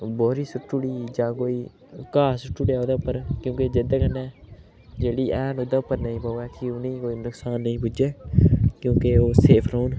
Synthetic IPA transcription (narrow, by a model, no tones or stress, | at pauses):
bɔːɾiːsʊʈːuɽiːd͡ʒãːkoːiː | kaːsʊʈːuːɽjɛːoːd̪apːəɾkjõːked͡ʒed̪aːkənːɛ̃ː | d͡ʒeːɽiːʔɛːnoːd̪apːəɾnəĩːpaɛːkɪʊnĩːkoːiːnʊksaːnːəĩːpʊd͡ʒeːkjõːkeoːseːpʰɾouːn